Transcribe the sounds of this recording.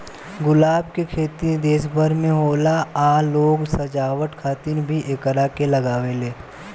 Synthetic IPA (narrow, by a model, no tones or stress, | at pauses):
ɡʊlaːbkekʰeːt̪id̪eːsbʱəɾmẽɦoːlaaːloːɡsɐd͡ʒaːwəʈkʰaːt̪ɪɾbʱiʔeːkəɾaːkelɐɡaːʋeleː